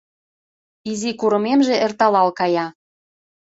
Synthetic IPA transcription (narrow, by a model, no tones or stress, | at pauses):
izikuɾə̆memʒĕert̪ɑlɑlkɑjɑ